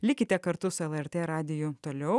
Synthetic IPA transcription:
lʲɪkʲɪt̪ʲɛkɐɾt̪ʊsʊɛlˠɛɾʲt̪ʲeːɾɑːd̪ʲɪjut̪oːlʲɛʊ

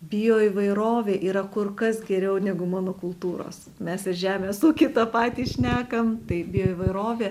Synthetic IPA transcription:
bʲɪjoːiːʋɐɪɾoːʋʲeːʔiːɾɐkʊrkɐsɡʲɛɾʲɛʊnʲæɡʊmɑːnoːkʊlˠt̪uːɾo̰ːs | mʲɛsɪɾʒʲæːmʲeːsuːkʲɪt̪ɐːpɑːt̪ʲiːʃʲnʲæːkɐmt̪ɐɪbʲɪjoːiːʋɐɪɾoːʋʲeː

